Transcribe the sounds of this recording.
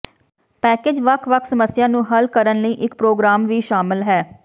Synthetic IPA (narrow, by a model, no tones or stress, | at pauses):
pɛːkeːd͡ʒʋəkʰʋəkʰsəməsɪjãːnũːɦəlkəɾənləiːʔɪkpɾoːɡɾaːmʋiːʃaːmɪlɦɛː